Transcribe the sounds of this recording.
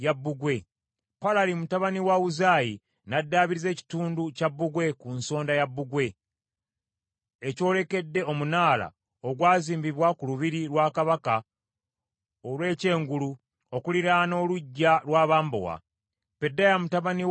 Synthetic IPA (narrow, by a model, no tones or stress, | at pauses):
jabːuɡwe̞ | palalimutaβaniwauzaji | nadːaːβiɾize̞ːci̥tuːnducabːuɡwe̞kunso̞ːndajabːuɡwe̞ | eco̞ːle̞ke̞dːe̞o̞munaːla̰ | oɡwaːziːmbiβwakuluβiɾilwaːkaβaka | olwe̞ːce̞ːŋɡulu | o̞kuliɾano̞ːluɟːalwaːβaːmbo̰wa̰ | pe̞dːajamutaβani